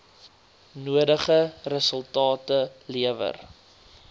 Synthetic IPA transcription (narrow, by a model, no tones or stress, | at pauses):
nuədəχərəsəlˠtɑːtəliəvə̰r